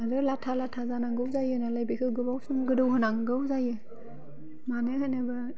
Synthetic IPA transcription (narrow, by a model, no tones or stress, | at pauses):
aɾɯlatʰalatʰazanaŋɡɯwzajɯnaləjbikʰɯɡɯbawsuŋɡɯduɦɯnaŋɡɯwzajɯ | manɯhanabə